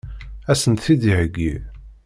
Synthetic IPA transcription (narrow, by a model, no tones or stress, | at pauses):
æsənt̪θiðiʕəɡːi